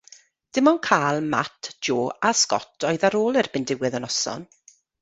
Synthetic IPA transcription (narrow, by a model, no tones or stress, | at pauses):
d̥ɪmɔnkʰaːlˠma̰tʰd͡ʒoːaskɔ̰tʰɔɨðaɾoːlˠɪrbɪndɪwɛðənɔsɔ̰n